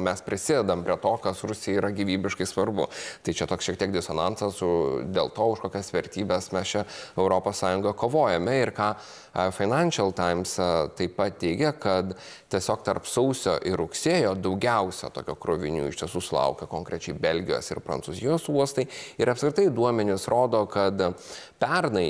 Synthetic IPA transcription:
mʲɛspʲɾʲɪsʲɪd̪ʲɛd̪ɐmpʲɾʲiɛt̪oːkɐsɾʊsʲɪjɛiːɾɐɡʲiːʋʲiːbʲɪʃkɐɪsʋɐrbʊ̰t̪ɐɪt͡ʃʲɛt̪oːksʃʲiɛk̚t̪ʲiɛk̚d̪ʲɪsonɐntsɐsʊd̪ʲeːlˠt̪oːʊʃkoːkʲɛsʋʲɛɾʲt̪ʲiːbʲɛsmʲɛst͡ʃʲɛɛʊɾoːpoːssɑːjʊŋɡɐkoːʋoːjɛmʲɛɪɾkɑː | fɐɪnɐnʲʃɐlˠt̪ɑɪmst̪ɐɪpɐt̪̚t̪ʲɛɪɡʲɛkɐt̪ | t̪ʲiɛsʲoːkt̪ɐrpsɐʊsʲoːʔɪɾʊksʲeːjoːd̪ɐʊɡʲɛʊsʲɛ̰t̪oːkʲoːkɾʊʋʲɪnʲṵːɪʃt̪ʲiɛsuːsʊlˠɐ̰ʊkʲɐkoːŋkɾʲɛt͡ʃʲɛɪbʲɛlʲɡʲɪjo̰ːsɪ̰rpɾɐ̰ntsuzʲɪjoːsuɔst̪ɐɪɪɾɐpskʲɾʲɪt̪ɐɪd̪uɔmʲɛnʲɪsɾoːd̪oːkɐt̪ | pʲɛrnɐɪ

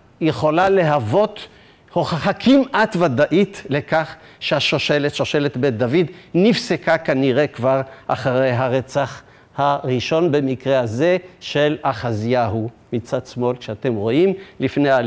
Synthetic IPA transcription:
jeχo̞lale̞ɦavo̞t̪ | hoχaχakʰimʔat̪vad̪aʔit̪le̞kaχ | ʃeaʃoʃelet̪ʃoʃe̞let̪bet̪̚d̪avid̪nifsekakaniʁekvaʁʔa̰χaʁejɦaʁet͡saχ | haʁiʃo̞nbe̞mikʁeaze̞ʃelaχazjaɦu | mit͡sad̪smo̞lkʃeat̪e̞mʁo̞imlifnea

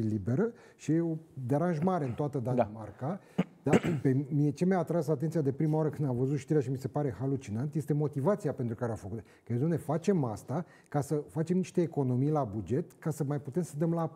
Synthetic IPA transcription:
ilibe̞ɾə | ʃijeod̪eɾanʒmaɾe̞ɨnt̪oat̪əd̪anamarka | d̪apemmijet͡ʃe̞mjaːt̪ɾasat̪ent̪siad̪e̞pɾimawaɾəkɨnd̪amvəzut̪ʃt̪iɾeaʃimise̞paɾe̞halut͡ʃinant̪jest̪e̞mo̞t̪ivat̪siape̞nt̪ɾukaɾeafəkut̪ | kəed̪omne̞fat͡ʃe̞ma̰st̪a | kasəfat͡ʃe̞mniʃt̪e̞ːko̞no̞mijlabud͡ʒe̞t̪kasəmajput̪e̞msəd̪əmla

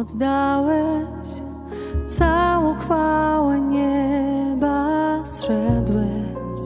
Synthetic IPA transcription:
ɔd̪d̪awɛ | t͡ɕ | t̪sawɔ̃w̃xfawɛɲɛbaɕʂɛd̪wɛ

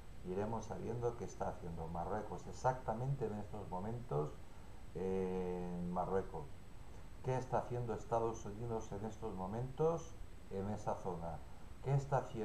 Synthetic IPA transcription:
iɾe̞mo̞sːa̰βje̞nd̪oke̞ːst̪aːθje̞nd̪omarwe̞ko̞se̞sak̚t̪amẽ̞nt̪e̞ne̞st̪o̞zmõ̞mẽ̞nt̪o̞s | enmarwe̞kos | ke̞ːst̪aːθje̞nd̪oe̞st̪aðo̞suniðo̞se̞ne̞st̪o̞zmõ̞mẽ̞nt̪o̞s | e̞ne̞saθo̞na | ke̞ːst̪aːθje

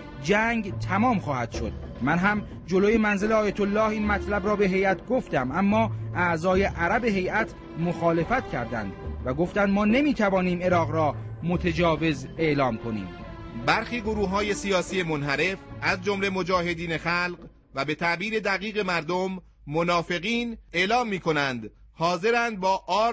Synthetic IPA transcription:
d͡ʒæŋɡt̪ʰæmɒːmxɒːhæd̪̥ʃo̞̰d̪̥̚ | mænɦæm | d͡ʒo̞loje̞mænzeleɒːjæt̪ʰolːɒːhiːnmæt̪ʰlæbɾɒːbe̞ɦe̞jæt̪ʰɡoft̪æmʔæmːɒːʔæʔzɒːje̞ʔæɾæbe̞ɦe̞jʔæt̪ʰ | moxɒːle̞fæt̪cʰæɾd̪æ̰nd̪væɡo̞ft̪ænd̪mɒːne̞miːt̪ʰævɒːniːme̞ɾɒːɣɾɒːmo̞t̪ʰed͡ʒɒːve̞ze̞ʔlɒːmkʰo̞nḭːmbæɾxiːɡoɾuːɦɒːje̞sijɒːsiːe̞monɦæɾe̞fʔæzd͡ʒomle̞mo̞d͡ʒɒːhe̞d̪iːne̞xælɢ | væbe̞t̪ʰæʔbiːɾe̞d̪æɣiːɣe̞mæɾd̪omː | onɒːfe̞ɣiːne̞ʔlɒːmːiːkʰo̞nænd̪ | hɒːze̞ɾænd̪̚bɒːʔɒː

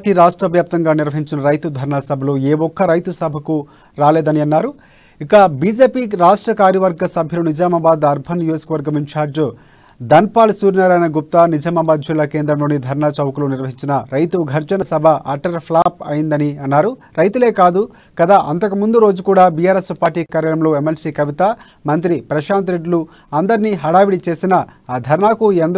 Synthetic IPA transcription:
ʈiɾaːʂʈɾɐʋjaːp̚t̪ɐŋɡaːniɾʋɐɦiɲt͡ʃinɐɾɐjt̪ud̪ʱɐɾɳaːsɐbʱɐloːeːwɔkːɐɾɐjt̪usɐbʱɐku | ɾaːleːd̪ɐniɐnːaːɾu | ikɐbiːd͡ʒe̞ːpiːɾaːʂʈɾɐkaːɾjɐʋɐɾɡɐsɐbʱjɐloːnid͡ʒaːmɐbaːd̪ɐɾbʱɐnijoːd͡ʒɐ̥kɐʋɐɾɡɐmint͡ʃaːɾd͡ʒ | d̪ɐnpaːlsuːɾinaɾaːnɐɡup̚t̪aːnid͡ʒaːmɐbaːd̪̚d͡ʒilːɐkeːnd̪ɾɐmlo̞ːnid̪ʱɐɾɳaːt͡ʃɐwɐkuloːniɾʋɐɦiɲt͡ʃinɐɾɐjt̪uɡʱɐɾt͡ʃɐnɐsɐbʱɐʔɐʈɐɾpʰlaːpɐjind̪ɐniɐnːaːɾu | ɾɐjt̪ule̞ːkaːd̪u | kɐd̪aːʔɐnt̪ɐkɐmund̪uɾo̞ːd͡ʒukuːɽaːbijaːɾe̞spaːɾʈiːkaːɾjɐɾɐmlo̞ːemelsiːkɐʋit̪ɐ | mɐnt̪ɾipɾɐʃaːnt̪ɾeɖlu | ɐnd̪ɐɾiniːɦɐɽaːʋiɽit͡ʃe̞ːsinɐd̪ʱɐɾɳaːkuend̪ɐ

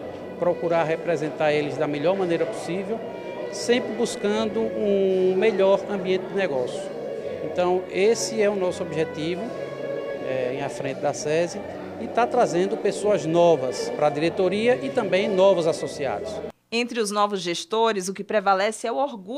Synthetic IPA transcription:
pɾɔkuɾaɾɦepɾɛzẽnt̪aɾelɪzd̪ɐmɛʎɔɾmɐ̃nejɾɐpu̥sivew | sẽmpɾɪbuskɐ̃nd̪ʊũmeʎɔɾɐ̃mbiẽnt̪ɪd̪ɪnɛɡɔsjʊ | ẽnt̪ɐ̃w̃esɪɛunɔsʊobiʒet̪ivʊ | ɛẽj̃ɐfɾẽnt̪ɪd̪ɐsɛzi | ɪt̪at̪ɾazẽnd̪ʊpesoɐznɔvɐspɾɐd̪iɾet̪oɾiɐʔɪt̪ɐ̃mbẽj̃nɔvʊzasosia̰d̪ʊs | ẽnt̪ɾɪʊznɔvʊzʒeʃt̪oɾɪzʊkɪpɾɛvalɛsɪɛuoɾɡu

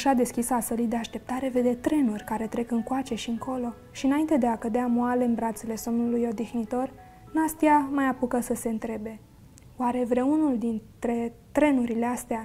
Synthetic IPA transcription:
aʃad̪e̞skʲisəasəlijd̪eaʃt̪e̞p̚t̪aɾe̞ve̞d̪et̪ɾe̞nurʲkaɾe̞t̪ɾe̞kɨŋkoat͡ʃe̞ʃiɨŋko̞lo̞ | ʃiɨnaint̪ed̪e̞akəd̪eamoale̞ɨnbɾat̪sele̞so̞mnulujo̞d̪ixnit̪o̞r | nast̪iamajapukəsəse̞ɨnt̪ɾe̞be̞ | oaɾe̞vɾeunuld̪int̪ɾe̞t̪ɾe̞nuɾile̞ast̪ea

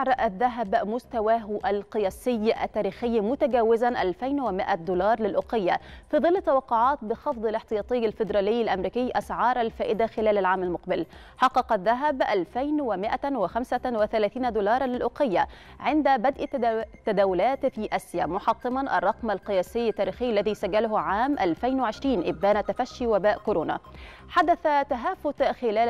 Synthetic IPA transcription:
ʕɾˤʔðːæɦæbmʊst̪awaːɦʔalqɨjæːsɪjːʔa̰t̪ːæːɾiːxɪjːmʊt̪æɡæːwɪzanʔalfajnwɪmɪʔad̪uːlɑːɾˤlɪlʔoqɪjːafiːðˤɨlːɪt̪ːɑwɑqːoʕɑːt̪̚bɪxɑfd̪ˤɑlɪħt̪ɨjɑːt̪ˤijːalfɪd̪ɾˤɑːlɪjːɪlʔamɾiːkɪjːʔasʕɑːɾˤalfæːʔɪd̪axɪlæːlalʕaːmalmʊqbɪl | ħɑqːɑqɑðːæɦæbʔalfajnwɪmɪʔawɪxamsawɪθalæːθiːnad̪uːlɑːɾˤɑlɪlʔʊqɪjːaʕɪnd̪abad̪ʔt̪ːad̪aːwʊlaːt̪fiːʔasjamʊħɑt̪ˤːɨmɑnʔɑ̰rˤːɑqmalqɨjaːsɪjːat̪ːaːɾiːxɪjːalːæðiːsaɡːalʊhʕaːmʔalfajnwɪʕɪʃɾiːnʔɪb̚d̪æːnat̪afaʃːiwabaːʔkʊɾoːna̰ | ħad̪aθat̪aɦaːfʊt̪xɪlæːl

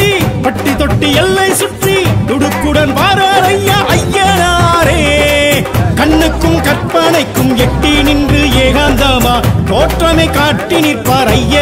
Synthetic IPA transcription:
ipɐʈːit̪ɔʈːiɛlːɐɪsʊʈrit̪ʊɽɯkːɯɽɐnʋaːɾaːɾɐjːɐʔɐjːɐnaːɾeː | kɐɳːɯkːɯmkɐrpɐnɐɪkːɯmɛʈːinɪnd̪ɯeːɣaːnd̪ɐmaːt̪oːʈrɐmekaːʈːiniːrpaːɾɐjːɐ

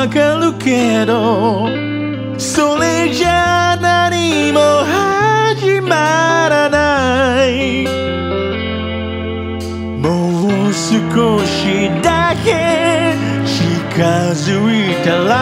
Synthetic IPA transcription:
kəlukʰɛɾo | soled͡ʒananimoɦad͡ʒimaɾana | mowusɨkʰoʃidakɛ | ʃikʰazuitəla

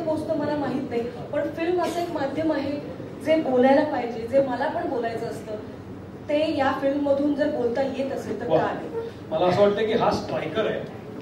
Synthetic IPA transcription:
bost̪əːməlamaɦit̪naɦj | pəɳfilməsəekmad̪ʱjəmaɦe | d͡zebolajlapaɦid͡ʑed͡zeməlapəɳbolajt͡səəst̪əː | t̪ejafilmːəd̪ʱuːnd͡zebolt̪ajet̪əset̪əɾkaɦe | məlaəsəʋəʈt̪əkiːɦaspajkəɾaj

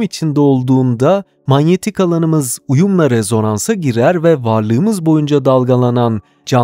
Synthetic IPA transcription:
mit͡ʃʰind̪ɛo̞lˠd̪uːnd̪a | manje̞t̪ʰikalˠanɯmɯzujumlˠaɾezo̞nansaɟiɾæɾvɛvaɾlˠɯːmɯzbo̞jund͡ʒad̪alˠɡalˠanan | d͡ʒa

